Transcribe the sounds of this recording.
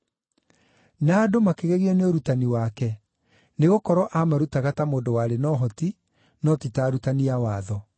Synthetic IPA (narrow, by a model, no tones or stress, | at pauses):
naːdomakeɣeɣiɔneoɾutaniwakɛ | neɣokɔɾɔʔamaɾutaɣatamoːdowaːɾenɔɦɔti | nɔtitaːɾutaniawaːðɔ